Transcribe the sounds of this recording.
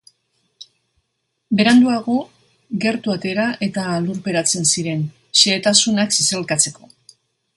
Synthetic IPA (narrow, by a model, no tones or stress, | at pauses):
be̞ɾand̪uaɣ̞o | ɣe̞ɾt̪uat̪e̞ɾaʔe̞t̪aluɾpe̞ɾat͡se̞nsiɾe̞n | ʃeːt̪asunaksiselkat͡se̞ko̞